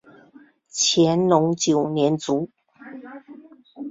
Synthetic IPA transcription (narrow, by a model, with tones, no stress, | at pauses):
t͡ɕʰjɛ˧˥nlʊ˧˥ŋt͡ɕjo˨˩ʊnjɛ˧˥nt͡su˨˧˥